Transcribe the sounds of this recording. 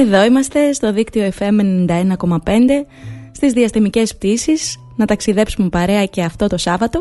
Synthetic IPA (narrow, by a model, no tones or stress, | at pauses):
e̞ðo̞imɐst̪e̞st̪o̞ðikt̪io̞efe̞me̞nnind̪ɐe̞nɐko̞mɐpe̞nd̪e̞ | st̪izðiɐst̪emice̞sp̚t̪isis | nɐt̪ɐksiðe̞psumepɐɾe̞ɐce̞ɐft̪o̞t̪o̞sɐvɐt̪o̞